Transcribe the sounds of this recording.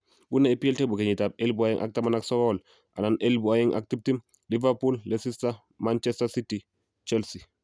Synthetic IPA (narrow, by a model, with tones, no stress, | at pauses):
bu˦nːa˦i˦pi˦ɛ˦lte˦bu˨ke˨ɲi˨tab̚e˦lbu˨a˦ji˦ŋʔa̰˦k̚tama˦na˦ksɔɡɔl | ʔa̰˨na˨nʔelbu˨aji˦ŋʔa̰k̚ti˦p̚ti˦m | li˦vapu˦lle˦si˦sta | mant͡ʃɛstasi˦ti | t͡ʃɛlsi˨